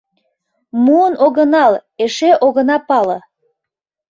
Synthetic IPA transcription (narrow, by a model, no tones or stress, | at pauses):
muənoɣənɑleʃeʔoɣə̆nɑpɑlɤ̆